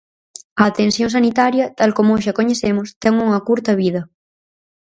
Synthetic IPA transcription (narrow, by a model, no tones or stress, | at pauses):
ɐːt̪ensjoŋs̬anit̪aɾjɐt̪alkomoʃakoɲeθemʊst̪ɛŋuŋɐkuɾt̪ɐβið̞ɐ